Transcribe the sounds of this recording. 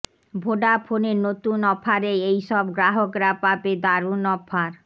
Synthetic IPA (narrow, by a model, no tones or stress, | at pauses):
bʱoɖapʰoneɾnot̪unɔpʰaɾeejʃɔbɡɾaɦokɾapaped̪aɾunɔpʰːaɾ